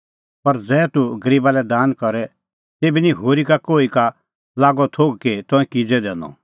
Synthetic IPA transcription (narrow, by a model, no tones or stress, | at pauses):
pɐɾd͡zɛːt̪uɡɐɾiːbalɛd̪aːnkɔɾɛ | t̪eːbiniɦoːɾikakoːika | laːɡɔt̪ʰoːɡket̪ɔ̃ɛ̃kid͡zɛd̪ɛːnɔ̰̃